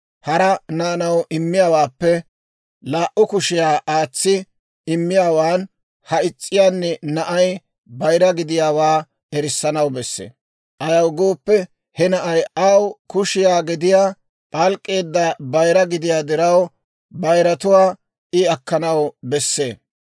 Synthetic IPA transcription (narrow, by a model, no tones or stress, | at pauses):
hɐɾɐnaːnɐwʔɪmːɪjaːwaːpːɛ | laːʔʊkʊʃɪjaːʔaːt͡sːɪ | ɪmːɪjaːwaːn | hɐɪt͡sʼːɪjaːnːɛnɐʔɐj | bɐjɾɐɡɪd̪ɪjaːwaː | ɛɾɪsːɐnɐwbɛsːḛː | ʔɐjɐwɡo̞ːpːɛ | hɛnɐʔɐjɐwkʊʃɪjaːɡɪd̪ɪjaː | ʔalkʼːe̞ːd̪ːɐbɐjɾɐɡɪd̪ɪjaːd̪ɪɾɐw | bɐjɾɐt̪ʊwaː | ɪɐkːɐnɐwbɛsːeː